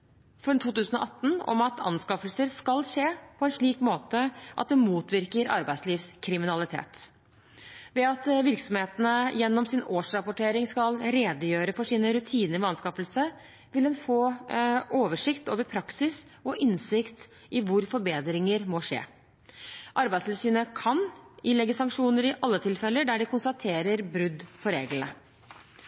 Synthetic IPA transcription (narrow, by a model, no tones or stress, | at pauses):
fɔɾnt̪ʰuːt̪ʉːsənɔʔɑt̪ːn̩ɔ̰mɑt̪ʰɑ̰nskɑfəlsəɾskɑlʂeːpʰɔɛnʂɭiːkmoːt̪əʔɑ̰t̪̚d̪ɛmuːt̪ʋɪɾkəɾʔɑ̰ɾbæɪsliːʋskʰɾɪmɪnɑlɪt̪ʰḛːt̪ | ʋɛɑt̪ʋɪɾksɔmheːt̪ənəjɛnːɔmsɪnoːʂɾɑpʊʈʰeːɾɪŋskɑlɾeːd̪əjøːɾəfɔʂiːnəɾʉt̪ʰiːnəʋɛɑnskɑfəlsə | ʋɪlɛnfoː | oːʋəʂɪkt̪o̰ːʋəɾpʰɾɑksɪs | ɔʔɪnsɪkt̪ | ʔɪʋʊɾfɔɾbeːd̪ɾɪŋəɾmɔʂḛː | ʔɑɾbæɪd̪st̪ɪlsyːnəkʰɑnɪlɛɡːəsɑŋkʂuːnəɾɪʔɑlːət̪ʰɪlfɛlːəɖæɖɪkʊnst̪ɑt̪ʰeːɾəɾbɾʉd̪ːpʰɔɾeːɡlnə